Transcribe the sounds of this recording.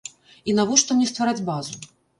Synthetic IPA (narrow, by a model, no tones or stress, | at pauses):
inavɔʂt̪ɔmnʲɛst̪vaɾad͡zʲbazu